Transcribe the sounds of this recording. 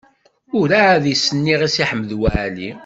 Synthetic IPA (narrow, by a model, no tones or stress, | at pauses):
ʊɾaːðisːənːiʁisiħəmːəðwæʕlḭ